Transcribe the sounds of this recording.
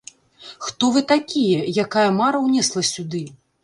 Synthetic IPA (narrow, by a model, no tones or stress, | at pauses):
xt̪ɔvɨt̪akʲijɛjakajɐmaɾɐwnʲɛslˠɐsʲud̪ɨ